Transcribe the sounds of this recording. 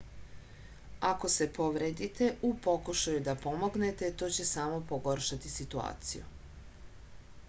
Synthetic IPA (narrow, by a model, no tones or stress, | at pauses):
ako̞se̞po̞ʋɾed̪it̪e̞ʔupo̞kuʃajud̪apo̞mo̞ɡne̞t̪e̞t̪o̞ːt͡ɕe̞saːmo̞poɡo̞ɾʃat̪isit̪ua̰ːt̪sḭjṵ